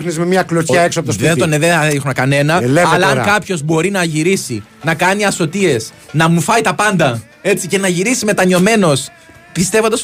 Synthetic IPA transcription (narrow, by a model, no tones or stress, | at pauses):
nezmemɲɐklocɐeksoɐpot̪sðet̪oneðeixunɐkɐne̞nɐeleɐlɐɐŋkɐpço̞zbo̞ɾinɐʝiɾisi | nɐkɐniɐso̞t̪ie̞snɐmufɐit̪ɐpɐnd̪ɐ | e̞t͡sice̞nɐʝiɾisime̞t̪ɐɲo̞me̞no̞s | pist̪e̞vo̞nd̪ɐs